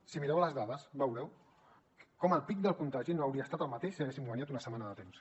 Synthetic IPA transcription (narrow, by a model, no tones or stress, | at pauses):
simiɾɛwləzðaðəsbəwɾɛw | kɔməlˠpik̚d̪əlˠkunt̪aʒinoawɾiaəst̪at̪alˠmat̪eʃiaɣesiŋɡwaniat̪̬unɐsəmanəðət̪ems